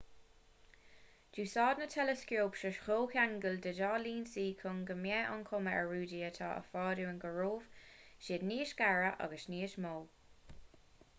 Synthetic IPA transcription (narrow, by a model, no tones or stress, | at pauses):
d͡ʒ̥uːsɑːd̪nətʰɛləskjoːpʃəʃxoːkʰaŋɡəldədɑːliːnsiːkʰʊŋɡəmjɛʔɑnkʰʊməʔəɹuːdiːət̪ʰa̰ːʔə̰fɑːduənɡəɹoːv̥ʃɪːdniːʃɡ̥aɹəʔɑ̰ɡəsniːəʃmoː